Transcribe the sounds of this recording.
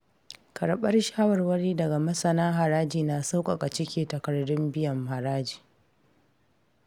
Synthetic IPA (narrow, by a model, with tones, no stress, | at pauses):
kʰɐ˨ɾɓɐ˦rʃaː˦wɐ˨rwɐ˦ɽiː˦dɐ˨ɡa˨mɐ˦sɐ˨naː˦ɦa˨ɾaː˦d͡ʒiː˨na˨sa˦wkʼa˨kʼa˨t͡ʃɪ˦kʲeː˨tɐ˨kɐ˨rdʊ˦mbɪ˦jɐ˨mha˨ɾaː˦d͡ʒiː˨